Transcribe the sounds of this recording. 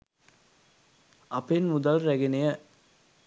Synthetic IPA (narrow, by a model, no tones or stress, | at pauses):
ɐpenmud̪alɾæɡenejə